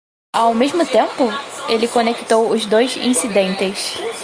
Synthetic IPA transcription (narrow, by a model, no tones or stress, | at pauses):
awmeʒmʊt̪ẽmpʊelɪkõnekt̪owʊzd̪ojzḭ̃sid̪ẽnt̪ɪs